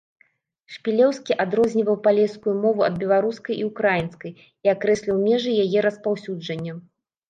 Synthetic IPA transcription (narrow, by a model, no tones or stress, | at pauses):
ʂpʲilʲɛwskʲiʔad̪ɾɔzʲnʲivɐwpalʲɛskujumɔvuɐ̰d̪bʲɛlˠaɾuskɐjʔiukɾajinskɐj | iakɾɛsʲlʲiwmʲɛʐɨjajɛɾɐspawsʲud͡ʐɐnʲːɐ